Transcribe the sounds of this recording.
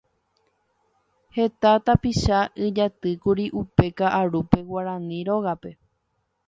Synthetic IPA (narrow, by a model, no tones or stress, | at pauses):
he̞t̪at̪apiʃaɨd͡ʒat̪ɨkuɾiʔupe̞kaʔaɾupe̞waɾãnĩɾoɣape̞